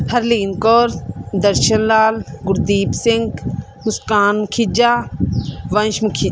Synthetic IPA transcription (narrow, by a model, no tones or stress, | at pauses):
hɐɾliːnkoːɾd̪ɐɾʃɐnlaːlɡʊɾd̪iːpsɪ̃ŋɡ | mʊskaːnmukʰid͡ʒaː | ʋɐ̃nʃmukʰi